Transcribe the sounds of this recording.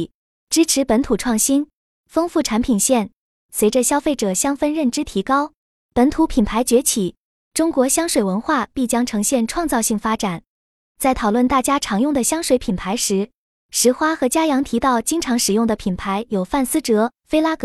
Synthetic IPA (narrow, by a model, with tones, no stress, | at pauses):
ʈ͡ʂɻ̩˥ʈ͡ʂʰɻ̩˧˥pə˧˥nt̪ʰu˨˩ʈ͡ʂʰwɑ˥˩ŋɕi˥n | fɤ˥ŋfu˥˩ʈ͡ʂʰa˧˥npʰi˨˩nɕjɛ˥˩n | swe˧˥ɪʈ͡ʂə˧ɕjɑ˥ʊfe˥˩ɪʈ͡ʂɤ˨˩ɕjɑ˥ŋfə˥nɻə˥˩nʈ͡ʂɻ̩˥t̪ʰi˧˥kɑ˥ʊ | pə˧˥nt̪ʰu˧˥pʰi˨˩npʰa˧˥ɪt͡ɕɥɛ˧˥t͡ɕʰi˨˩ | ʈ͡ʂʊ˥ŋkwɔ˧˥ɕjɑ˥ŋʂwe˨˩wə˧˥nxwa˥˩pi˥˩t͡ɕjɑ˥ŋʈ͡ʂʰɤ˧˥ŋɕjɛ˥˧nʈ͡ʂʰwɑ˥˧ŋt͡sɑ˥˧ʊɕi˥˩ŋfa˥ʈ͡ʂa˨˩˦n | t͡sa˥˩ɪt̪ʰɑ˨˩ʊlwə˥˩nt̪a˥˩t͡ɕja˥ʈ͡ʂʰɑ˧˥ŋjʊ˥˩ŋd̪ə˩ɕjɑ˥ŋʂwe˧˥ɪpʰi˨˩npʰa˧˥ɪʂɻ̩˧˥ | ʂɻ̩˧˥xwa˥xɤ˧˥t͡ɕja˥jɑ˧˥ŋt̪ʰi˧˥t̪ɑ˥˩ʊt͡ɕi˥ŋʈ͡ʂʰɑ˧˥ŋʂɻ̩˨˩jʊ˥˩ŋd̪ə˩pʰi˨˩npʰa˧˥ɪjo˨˩ʊfa˥˩nsɹ̩˥ʈ͡ʂɤ˧˥fe˥ɪla˥kɤ˧˥